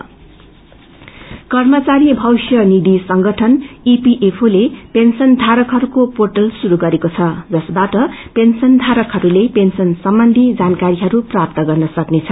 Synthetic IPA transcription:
kʌrmʌt͡saɾibʱʌwsjʌnid̪isʌŋɡʱʌʈʰʌnipiʔepʰolepensʌnd̪ʱaɾʌkɦʌɾukoporʈʌlsuɾuɡʌɾekot͡sʰʌd͡zʌsbaʈʌpensʌnd̪ʱaɾʌkɦʌɾulepensʌnsʌmbʌnd̪ʱid͡zankaɾiɦʌɾuprap̚t̪ʌɡʌrnʌsʌknet͡sʰʌ

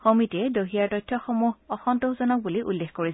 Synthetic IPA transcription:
xomitɛdoɦijaɹtɔjtʰːɔxomuɦɔxɔntoɦzɔnɔk̚buliʔulːexkoɹis

